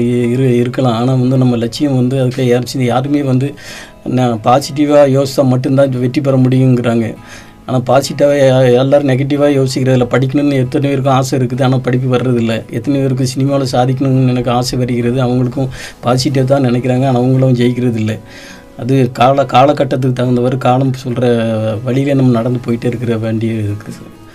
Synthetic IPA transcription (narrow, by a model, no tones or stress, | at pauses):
ɪɾɯɪɾɯkːɐɭãːaːnaːʋɐnd̪ɯnɐmːɐlɛt͡ʃːɪjɐmʋɐnd̪ɯɐðɯkːɯaɾɐt͡ʃːɪnd̪ɯjaːɾɯmeːʋɐnd̪ɯ | npaːsɪʈ̬ːɪʋaːjoːst̪ːãːmɐʈːɯmt̪ãːʋɛʈːip̬ːɐɾɐmʊɽɪjɯŋɡɪɾaːŋɡɐ̰ | aːnaːpaːsɪʈːɐɛlːaːɾɯ̃nɛɣɐʈ̬ːɪʋaːjoːsɪkːɪɾɐðɪlːɐpɐɽɪk̬ʲːɐɳɯnɯɛt̪ːɐnɐʋeːɾɯk̬ːʊ̃aːsɐɪɾɯkːɯðɯaːnaːpɐɽɪp̬ːɯʋɐɾɯɾɐðɪlːɐɛt̪ːɐnɪʋeːɾɯk̬ːʊ̃sɪnɪmaːʋlɐsaːðɪk̬ʲːɐɳɯnɛnɐkːɯaːsɐʋɐɾɯɣɪɾɐðɯɐʋɐŋɡɐɭɯkːʊ̃paːsɪʈ̬ːɐʋt̪̬ãːnɪnɛk̬ʲːɪɾaːŋɡɐnɐʋɐŋɡɐɭɐʊ̃d͡ʒɛjɪkːɪɾɐðɪlːɐ | ɐðɯkaːɭɐkaːɭɐkːɐʈːɐt̪ːɯkːɯt̪ɐʋɐnd̪ɐʋɐɾɯkaːɭɐmsɔlɾɐʋɐɭɪjleːnɐmːɐnɐɽɐnd̪ɯpoːjɪʈːɐɪɾɯkːɪɾɐʋeːɳɖɪjɐɪɾɯkːɯɾɐðɯ